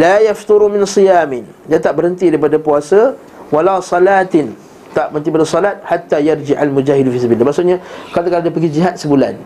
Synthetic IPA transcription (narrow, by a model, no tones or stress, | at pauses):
lajaft̪ʊɾumɪ̃nsɨjaːmɪn | jat̪aʔbəɾənt̪idaipadapuasa | walasˤɑlat̪ɪn | t̪aʔbəənt̪ipadasˤɔlat̪̚hat̪ːajard͡ʒɪʔalmud͡ʒahɪdfisəbilːamaʔsʊʔɲakat̪akaɾadapəɡid͡ʒiɦat̪̚səbulan